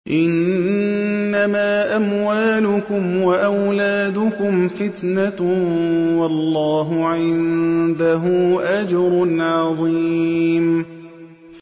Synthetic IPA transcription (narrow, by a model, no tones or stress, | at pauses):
ʔɪnː | amaːʔamwaːlʊkʊmwaʔawlaːd̪ʊkʊmfɪt̪na | wɑlːɑːɦʊʕɪnd̪aɦʊːʔad͡ʒɑɾˤʊnʕɑðˤiːm